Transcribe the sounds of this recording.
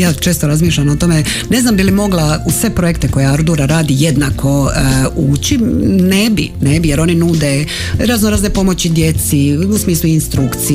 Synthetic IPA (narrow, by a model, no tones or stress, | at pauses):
jaːt͡ʃe̞ːst̪oɾazmiːʃʎʲanot̪o̞me | ne̞znambilimo̞ɡlausʋe̞pɾo̞je̞kt̪eko̞jeaɾd̪uɾaɾaːd̪ije̞d̪nakʰo̞uːt͡ɕine̞bḭnebijeɾo̞ninuːd̪e | ɾaznoɾaznepo̞mo̞t͡ɕid̪je̞t̪siusmiːsluinst̪ɾukt̪si